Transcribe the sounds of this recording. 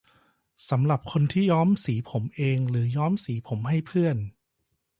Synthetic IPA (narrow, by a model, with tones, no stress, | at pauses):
sa˩˦mɾa˨˩p̚kʰo˧nt̪ʰiː˥˩jɔː˦˥msiː˩˦pʰo˩˦mʔeː˧ŋɾɯː˩˦jɔː˦˥msiː˩˦pʰo˩˦mɦa˥˩jpʰɯ˥˩ən